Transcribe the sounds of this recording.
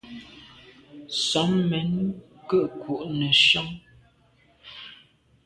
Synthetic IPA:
sɔ˨˦mmɛ˨˦n | kə˦ʔku˨ʔnə˨ʃɔ˦ŋ

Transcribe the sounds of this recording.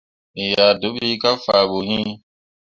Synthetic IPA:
i˨ja˨do˨˦ɓi˦ka˦faː˨ɓo˨ɦĩ˦

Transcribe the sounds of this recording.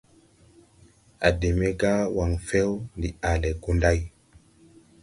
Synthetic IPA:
a̰˨de˨me˦ɡa˦wa˨ŋfe˦wndi˨a˨le˨ɡu˦nda˦j

